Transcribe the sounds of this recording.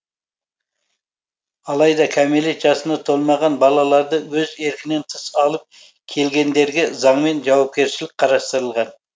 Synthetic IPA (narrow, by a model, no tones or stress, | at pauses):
ɑlˠɑjd̪ɑkʲʰæme̞let̪ʒɑsənd̪ɑt̪ʰo̞lˠmɑʁɑnbɑlˠɑlˠɑɾd̪əwɵze̞ɾkʲɪne̞nt̪ʰəsɑlˠəp̚ | kʲʰe̞lɡʲe̞nd̪e̞ɾɡʲezɑɴme̞nʒɑwɑp̚kʲe̞ɾʃɪlɪk̚ʲqʰɑɾɑst̪əɾəlˠʁɑn